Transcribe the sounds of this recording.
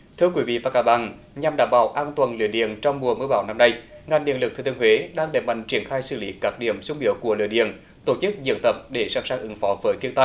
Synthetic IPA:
t̪ʰɨ˧əkwi˨˦vḭ˧˨vaː˨˩kaː˨˦˥ɓa̰ː˧˨n | ɲa˨˩mɗaː˨˩mɓaː˧˩wʔaː˧nt̪waː˨˩nlɨ̰˧˨əɗḭ˧˨ənt͡ɕɔ˧wŋ͡mmu˨˩əmɨ˧ɓaː˧˩wna˧mna˧jŋa˨˩jŋɗḭ˧˨əlɨ˨˩k̚t̪ʰɨ˧˩t̪ŋhwe˨˦ɗaː˧ŋɗḛ˧˩jma̰˧˨jŋ̟t͡ɕi˧˩ənxaː˧jsɨ̰˧˩li˨˦kaː˦˥k̚ɗḭ˧˩əmsʊ˧ŋ͡mɗḭ˧˩əwku˧˩əlɨ̰˧˨əɗḭ˧˨ən | t̪o˧˩t͡ɕɨ˦˥k̚zɨ̰˧˨ənt̪ə˨˩p̚ɗe˧˩saː˧˩ŋsaː˧˩ŋʔɨ˨˦ŋfɔ˨˦vəː˨˦jt̪ʰi˧ənt̪aː˧j

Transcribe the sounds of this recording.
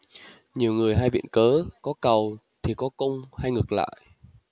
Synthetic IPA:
ɲi˨˩əwŋɨ˨˩əjɦaː˧jvḭ˧˨nkəː˨˦kɔ˨˦kə˨˩w | t̪ʰi˨˩kɔ˨˦kə˧wŋ͡mha˧jŋɨ˨˩k̚la̰ː˧˨j

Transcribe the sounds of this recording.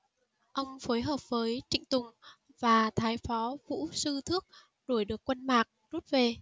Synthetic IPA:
ʔə˧wŋ͡mfo˨˦jɦəː˨˩p̚vəː˨˦jt͡ɕḭ̈˧˨ŋ̟t̪ʊ˨˩ŋ͡m | vaː˨˩t̪ʰaː˨˦jfɔ˨˦vṵ˧˥sɨ˧t̪ʰɨ˦˥ək̚ | ɗu˧˩əjɗɨ˨˩əkːwə˧nmaː˨˩k̚zu˦˥t̚ve˨˩

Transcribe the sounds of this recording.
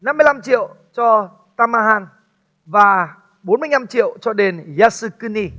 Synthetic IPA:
na˧mː˧əjla˧mt͡ɕḭ˧˨ə˨w | t͡ɕɔ˧ | t̪aː˧maː˧ɦaː˧n | vaː˨˩ | ɓo˨˦nmɨ˧əjɲna˧mt͡ɕḭ˧˨əwt͡ɕɔ˧ɗe˨˧nzaː˧sɨ˧kɨ˧ni˧

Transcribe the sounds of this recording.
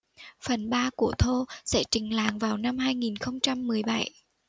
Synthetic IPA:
fə˨˩nɓaː˧ku˧˩ət̪ʰo˧sɛ̰˧˥t͡ɕï˨˩ŋ̟la̰ː˨˩ŋvaː˨˩wna˧mhaː˧jŋi˨˩nxə˧wŋ͡mt͡ɕa˧mːɨ˨˩əjɓa˧˩j

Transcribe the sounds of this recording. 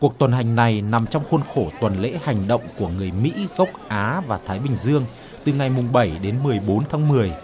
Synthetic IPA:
ku˨˩ək̚t̪wə˨˩nɦa˨˩jŋ̟na˨˩jna˨˩mt͡ɕɔ˧wŋ͡mxo˧nxo˧˩t̪wə˨˩nlḛ˧˥ha˨˩jŋ̟ɗə̰˧˨wŋ͡mku˧˩əŋɨ˨˩əjmḭ˧˥ɣə˦˥wk͡p̚ʔaː˨˦vaː˨˩t̪ʰaː˨˦jɓï˨˩ŋ̟zɨ˧əŋ | t̪ɨ˨˩ŋa˨˩jmʊ˨˩ŋ͡mɓə˧˩jɗe˨˦nmɨ˨˩əjɓo˨˦nt̪ʰaː˨˦ŋmɨ˨˩əj

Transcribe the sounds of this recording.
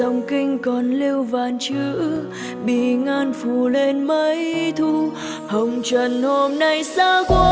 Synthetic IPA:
ə˨˧wŋ͡mkï˧ŋ̟kɔ˨˩nli˧əwvaː˨˩nt͡ɕɨ˧˦ | ɓi˧˩˨ŋaː˧nfu˧˩le˧nmə˧˦jt̪ʰu˧ | hə˨˩wŋ͡mt͡ɕwə˧˨˩nho˧mna˧jsaː˧kwa˧˦

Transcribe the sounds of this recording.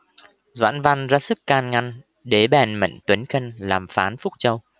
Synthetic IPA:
zwa̰ː˧˥˨nva˧nzaː˨˧sɨ˦˥kːaː˧nŋa˧n | ɗe˨˦ɓɛ˨˩nmə̰˧˨ŋt̪wi˨˦nxə˧nlaː˨˩mfaː˨˦nfʊ˦˥k͡p̚t͡ɕə˧w

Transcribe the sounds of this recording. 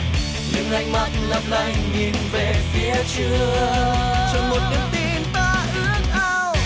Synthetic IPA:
ɲɨ̰˧˦ŋla˧˦jŋma˧˩jt̚lə˨˩p̚la˧˩jŋ̟ɲi˨˩˦nve˨˩fi˨˦ət͡ɕɨ˧˦ə | t͡ɕɔ˧nmo˨˩t̚ɲɨ˨˦ŋt̪i˧nt̪aː˧˩ʔɨ˧˦˥əŋ̚ʔa˧ww

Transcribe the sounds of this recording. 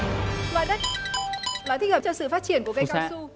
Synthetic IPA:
la̰˧˨ɗə˦˥ | laː˨˦t̪ʰi˨˧˩ŋhəː˨˩t͡ɕɔ˧sɨ̰˧˨faː˦˥t̚t͡ɕi˧˩ənku˧˩ka˧˨kasːa˧su˧

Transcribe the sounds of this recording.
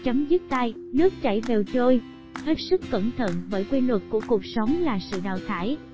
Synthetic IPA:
t͡ɕə˨˦ŋ͡mzɨ˦˥t̚t̪a˧j | nɨ˦˥ək̚t͡ɕa˧˩jve˨˩wt͡ɕo˧j | he˦˥t̚sɨ˦˥kːə̰˧˩nt̪ʰə̰˧˨nvəː˧˥jkwe˧nlwə˨˩k̚ku˧˩əku˨˩ək̚sə˨˦wŋ͡mlaː˨˩sɨ̰˧˨ɗa̰ː˧˨wt̪ʰaː˧˩j

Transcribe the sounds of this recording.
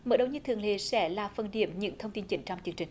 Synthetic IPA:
mə̰ː˧˦ɗə˨˩wɲɨ˧t̪ʰɨ̰˨˧˨əŋlḛ˧˨sɛ̰˧˥laː˨˩fə˨˩nɗḭ˧˩əmɲɨ̰˧˥ŋt̪ʰə˧wŋ͡mt̪i˧nt͡ɕï˧˩ŋ̟t͡ɕɔ˧wŋ͡mt͡ɕɨ˧əŋt͡ɕï˨˩ŋ̟

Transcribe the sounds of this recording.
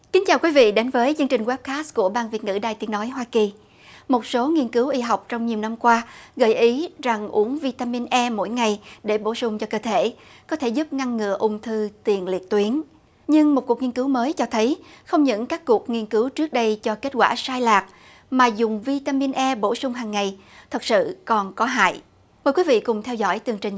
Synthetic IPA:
ki˨˦ŋ̟t͡ɕaː˨˩wkwi˨˦vḭ˧˨ɗe˨˦nvəː˨˦jt͡ɕɨ˧ŋt͡ɕï˨˩ŋ̟ɣwɛ˦˥p̚kaː˦˥s̚ku˧˩əɓaː˧nvi˨˩ət̚ŋɨ̰˧˩ɗaː˨˩jt̪i˨˦ənɔ˨˦jɦwaː˧ki˨˩ | mo˨˩t̚so˨˦ŋi˧ənkɨ˨˦wʔi˧ɦa˨˩wk͡p̚t͡ɕɔ˧wŋ͡mɲi˨˩əwna˧mkwaː˧ɣə̰˧˩jʔi˨˦za˨˩ŋʔu˨˦əŋvi˧t̪aː˧mi˧nʔɛ˧mo̰˧˥jŋa˨˩jɗe˧˩ɓo˧˩sʊ˨˧˩ŋ͡mt͡ɕɔ˧kəː˧t̪ʰe˧˩kɔ˨˦t̪ʰe˧˩zʊ˦˥p̚ŋa˧nŋɨ̰˧˨əʔʊ˧ŋ͡mt̪ʰɨ˧t̪i˨˩ənli˨˩ət̚t̪wi˨˦ən | ɲɨ˧ŋmo˨˩ku˨˩ək̚ŋi˧nkɨ˨˦wməː˨˦jt͡ɕɔ˧t̪ʰə˨˦jxə˧wŋ͡mɲɨ̰˧˥ŋkaː˦˥kːu˨˩ək̚ŋi˧ənkɨ˨˦wt͡ɕɨ˦˥k̚ɗə˧jt͡ɕɔ˧ke˦˥t̚kwa̰ː˧˩saː˧jlaː˨˩k̚ | maː˨˩zʊ˨˩ŋ͡mvi˧t̪aː˧mi˧nʔɛ˧ɓo˧˩sʊ˧ŋ͡mɦaː˨˩ŋːa˨˩j | t̪ʰə˨˩t̚sɨ̰˧˨kɔ˨˩nkɔ˨˦ɦa̰ː˧˨j | məː˨˩jkwi˨˦vḭ˧˨kʊ˨˩ŋ͡mt̪ʰɛ˧wzɔ̰˧˥jt̪ɨ˨˩əŋt͡ɕi˨˩ŋ̟

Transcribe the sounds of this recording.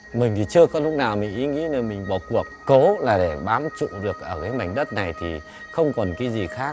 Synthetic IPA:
mï˨˩ŋ̟t̪ʰi˨˩t͡ɕɨ˧əkɔ˨˦lʊ˦˥k͡p̚naː˨˩wmï˨˩ŋ̟ʔi˨˦ŋḭ˧˥no˨˩jmï˨˩ŋ̟ɓɔ˧˩ku˨˩əkːo˨˦laː˨˩ɗe˧˩ɓaː˨˦mt͡ɕṵ˧˨ɗɨ˨˩ək̚ʔəː˧˩kaː˨˦ma˨˧˩jŋ̟̚ɗə˦˥t̚na˨˩jt̪ʰḭ˨˩ | xə˧wŋ͡mkɔ˨˩nkaː˨˦jzi˨˩xaː˦˥

